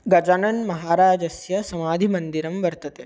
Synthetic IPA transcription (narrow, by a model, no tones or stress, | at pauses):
ɡɐd͡ʒɐnɐnmɐɦaːɾaːd͡ʒɐsjɐsɐmaːd̪ʱimɐnd̪iɾɐmʋɐɾt̪ɐt̪eː